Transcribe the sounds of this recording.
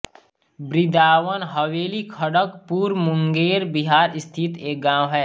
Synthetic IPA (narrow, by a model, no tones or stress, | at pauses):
bɾɪd̪aːwənɦəweːlikʰəɽəkpuːɾmʊ̃ŋɡeːɾbɪɦaːɾɪst̪ʰɪt̪eːk̚ɡãːwɦɛː